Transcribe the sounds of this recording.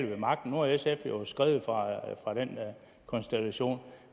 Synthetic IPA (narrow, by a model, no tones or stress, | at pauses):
l̰ʋemɑ̈ɡ̥̚d̥n̩ːo̝ɐesefjosɡ̥ʁɛ̰ːʊð̩ˠfʁɑfʁɑ̈ɾ̥en | kʰɒ̽nsd̥ælæɕo̝̰ːn